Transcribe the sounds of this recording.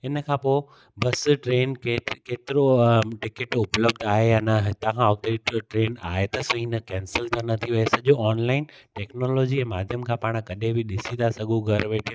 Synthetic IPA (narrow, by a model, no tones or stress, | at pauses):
ɪnəkʰãpoːɪ | bɐsʈɾeːnkekeːt̪ɪɾoʈɪkɪʈʊpləb̚d̪aːɦejanɐɦɪt̪ãkʰãɔːk̚t̪eːʈʈɾeːna̰ːɦet̪ɐsɐɦĩnəkɛ̃ːnsəlt̪ʰɐnɐt̪ʰiʋɐesɐʄoɔːnlaːɪnʈɛːknoːloːd͡ʑiɛ̃ːmaːd̪ʱjəmkʰãpaːɽ̃kɐɗẽbɪɗɪsit̪ʰasɐɠuɡʱɐɾʋeːʈʰi